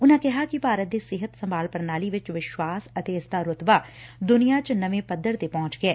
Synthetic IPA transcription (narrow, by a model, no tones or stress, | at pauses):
ʊnãkɛɦakipaːɾət̪̚d̪esɪɦət̪sɐ̃mbʱaːlpəɾnaːliʋɪt͡ʃʋɪʃwaːsɐt̪eːsd̪aɾʊt̪bad̪ʊnijat͡ʃnɐʋẽpɐd̪ʱːəɾt̪epɔ̃ːʊ̃t͡ʃɡeɛː